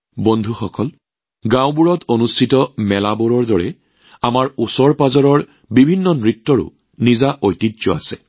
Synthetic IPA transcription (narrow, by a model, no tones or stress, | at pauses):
bondʱuxɔkɔl | ɡãw̃buɹɔtʰonustʰitɔmɛlaboɹɔɹdɔɹɛ | amaɹusɔɹpazɔɹɔɹ | bibʱinːɔnɹitːɔɹʊ̰ | nizaʔojtitzɔa̰sɛ